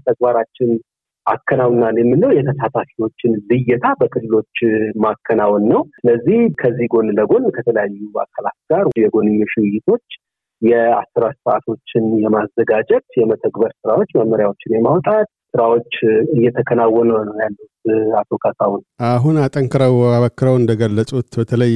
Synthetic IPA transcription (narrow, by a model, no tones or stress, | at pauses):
t̪ʰək̚baɾat͡ʃːɪn | ʔakʰːənawnːanjɛmːɨnːəwjɛt̪ʰəsʰat̪ʰafiwo̞t͡ʃːɪnlɨjːɪt̪ʰabəkʰɨlːɨlo̞t͡ʃːmakʰːənawnːəwsɨləzːihkʰəzːiɡo̞nd̪əɡo̞nkʰət̪ʰələjajːua̰kʰːəlat̪ɡaɾjɛɡo̞nɨɲːoʃiwɪjːɪt̪ʰo̞t͡ʃː | jɛasɨɾasɨa̰t̪ʰo̞t͡ʃːɪnjɛmazːəɡad͡ʒɛt̪jɛmət̪ʰəɡbəɾsɨɾawo̞t͡ʃːməmmːəɾjawot͡ʃːɪnjɛmawt̪ʼat̪̚ | sɨɾawo̞t͡ʃːɨjːɛt̪ʰəkʰənawːənənəwjalːut̪at̪ʰo̞kʰasawunaɦunat̪ʼəŋkʰɨɾəwaβəkːɨɾəwɨnd̪əɡəlːəsʼut̪bət̪ʰələj